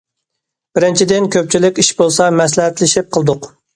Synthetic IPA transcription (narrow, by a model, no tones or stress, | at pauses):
b̥ɪɾɪnt͡ʃʰid̪ɪnkʲʰøp̚t͡ʃʰilɪkʲiʃbolˠsɑmɛslɪɦɛt̪lɪʃɪp̚qʰəlˠɨd̪ʊq